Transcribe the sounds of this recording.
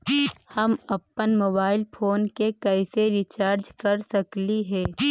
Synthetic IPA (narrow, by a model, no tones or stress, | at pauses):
hɐmɐpːənmoːbaːɪlpʰoːnkekɐɪseɾɪt͡ʃaːɾd͡ʒkɐɾsɐkliɦɛː